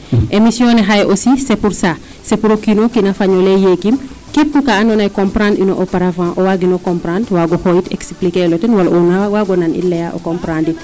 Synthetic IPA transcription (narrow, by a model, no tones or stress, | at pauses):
ʔemisjɔ̃ːnɛɦajʔosisepuɾsa | sepuɾokːinokinɐfaɲɔlɛjeɡim | kepːukaanɔnajkɔ̃mpɾãːndinɔʔɔpɐɾavãːʔɔwaɡinɔkɔmpɾãːndwaɡɔxɔjitɛ̰ksplikɛlɔtɛnwalʔunawaɡɔnanḭlɛjaʔɔ̰kɔ̃mpɾãːndi